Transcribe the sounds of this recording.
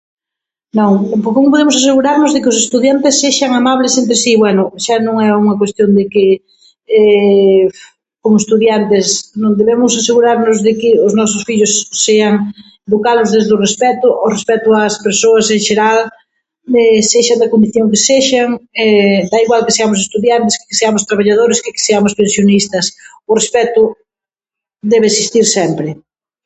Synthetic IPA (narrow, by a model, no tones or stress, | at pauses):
nõŋpoɾkomʊp̬oðemʊsas̬eɣuɾaɾnʊzðɪkɪʊs̬est̪uðjant̪ɪsːeʃɐŋamaβlɪsempɾɪsiβwɛnʊʃanõŋɛuŋɐkwest̪jond̪ɪkɪ | ɛf | komʊest̪uðjant̪ɪsnõŋd̪eβemʊsaseɣuɾaɾnʊzðɪkɪʊznɔsʊsfiʎʊsːeɐŋ | d̪okaðʊzðezðʊrespɛt̪ʊʔʊrespɛt̪ʊaspeɾsoɐseŋʃeɾal | ɛseʃand̪ɐkond̪iθjoŋkeseʃaŋɛd̪aiɣwalkɪseamʊsest̪uðjant̪ɪskɪkɪ̥seamʊst̪ɾaβ̞aʎaðoɾɪskɪkɪ̥seamʊspẽnsjonist̪ɐs | ʊrespɛt̪ʊ | d̪ɛβeesist̪iɾsɛmpɾɪ